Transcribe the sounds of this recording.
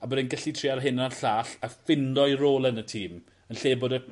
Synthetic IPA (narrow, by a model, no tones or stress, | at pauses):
abədɪnɡəɬitʰriaɾɦɪnanɬaːɬafɪndɔɨroːlˠənətʰiːm | ənɬeːbʊdɛ